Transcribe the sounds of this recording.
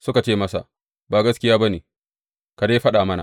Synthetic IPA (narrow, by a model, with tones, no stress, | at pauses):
sʊ˦ka˨t͡ʃeː˦mɐ˦sa̰˨ | baː˨ɡɐ˦skʲɪ˦jaː˦bɐ˦neː˨ | ka˨de˦ɸɐ˦ɗaː˨mɐ˦na̰˨